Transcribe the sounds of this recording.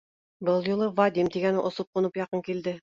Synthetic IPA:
bɤlˠjulˠɤvad̪ʲimt̪iɡænɘʔŏsop̚qŭnɤpjɑqɤŋkild̪ɘ

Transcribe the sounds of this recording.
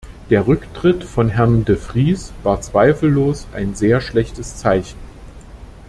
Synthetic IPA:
d̥eːɐʁʏktʁ̥ɪtfɔnɦɛɐndəfʁ̥iːsv̥aːɐt͡sv̥aɪfl̩loːsʔa̰ɪnzeːɐʃlɛçtəst͡saɪçn̩

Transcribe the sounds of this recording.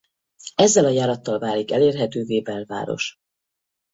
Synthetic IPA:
ɛzːɛlɒjaːɾɒt̪ːɒlvaːlikɛleːrɦɛt̪øːveːbɛlva̰ːɾo̞̰ʃ

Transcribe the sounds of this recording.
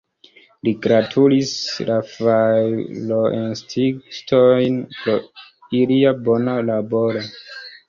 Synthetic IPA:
liɡɾatʰulislafajloʔenstʰiktojnpɾo̞ | iliabo̞nalaboɾo

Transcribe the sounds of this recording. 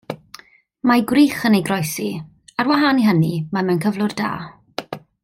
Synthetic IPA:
maɡwriːχənejɡrɔjsi | arwaɦaniɦənimamankʰəvlˠʊrda̰ː

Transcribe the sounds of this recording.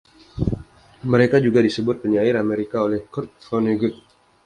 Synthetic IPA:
məɾekad͡ʒuɡadisəbʊt̪̚pəɲaɪɾameɾikaolɛhkɔrt̪̚fɔniɡʊt̪̚

